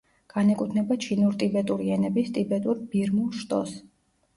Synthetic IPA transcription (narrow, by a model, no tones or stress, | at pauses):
ɡ̥anɛkʼut̪ʰnɛbat͡ʃʰinuɾt̪ʼibɛt̪ʼuɾiɛnɛbist̪ʼibɛt̪ʼuɾbiɾmulˠʃt̪ʼɔ̰s